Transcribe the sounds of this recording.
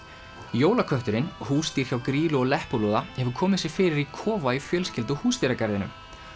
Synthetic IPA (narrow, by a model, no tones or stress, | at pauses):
joːwlakʰœht̪ʏɾɪnhuːst̪iːɾ̥çawkɾiːlʏɔlɛhpʊlɔːðahɛvʏɾkʰɔːmɪðsjɛɣfɪːɾɪɾikʰɔːvaifjœːlscɪlt̪̬ʏhuːst̪iɾakɛɾðɪnʏ̰m